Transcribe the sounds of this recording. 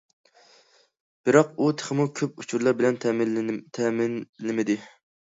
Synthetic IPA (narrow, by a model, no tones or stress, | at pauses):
b̥ɪɾɑqut̪ʰə̥χəmukʲʰøp̚ut͡ʃʰuɾlˠɑɾbɪlɛnt̪ʰɛmɪnlɪmɪd̪ɪ